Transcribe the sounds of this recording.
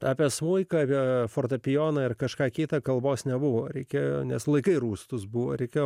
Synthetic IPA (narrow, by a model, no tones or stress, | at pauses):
ɑːpʲɛsmuɪkɐɑːpʲɛfoːrt̪ɐpʲɪjoːnɐɪrkɐʃkɑːkʲiːt̪ɐkɐlˠboːsnʲɛbʊʋoɾʲɛɪkʲeːjoːnʲɛslˠɐɪkɐɪɾuːst̪ʊsbuʋo̰ːɾʲɛɪkʲeːj